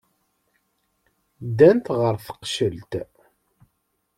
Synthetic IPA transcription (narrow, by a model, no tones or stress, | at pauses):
d̪ːænt̪ʁəɾθə̥qʃəlt̪